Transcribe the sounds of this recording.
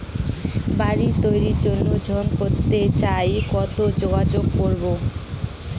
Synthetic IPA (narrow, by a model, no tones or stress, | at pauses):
baɾit̪ojɾiɾd͡ʑonːod͡ʑʱɔnkoɾt̪et͡ɕajkɔt̪od͡ʑoɡad͡ʑoɡ̚poɾbo